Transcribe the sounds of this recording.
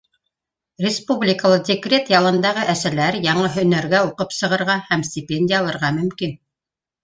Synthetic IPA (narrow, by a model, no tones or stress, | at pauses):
rʲɪspublʲɪkəlˠɤdʲɪkrʲet̪jɑlˠɤ̆nd̪ɑʁɤʔæsælæɾjɑɴɤɦɵ̆næɾɡæuqɤpsɤ̆ʁɤ̆ɾʁɑhæmsʲtʲɪpʲenʲdʲɪjɑlˠɤ̆ɾʁɑmɵ̆mkin